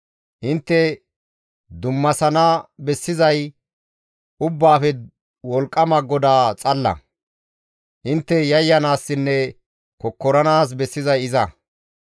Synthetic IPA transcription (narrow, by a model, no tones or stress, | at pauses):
ʔɪnt̪ːɛ | d̪ʊmːɐsɐnabɛsːɪzɐj | ʊbːaːfɛ | wɔlkʼːɐmɐɡɔd̪aːt͡sʼɐlːɐ̰ | ʔɪnt̪ːɛjɐjːɐnaːsːɪnːɛ | kɔkːɔɾɐnaːs̬bɛsːɪzɐjɪzɐ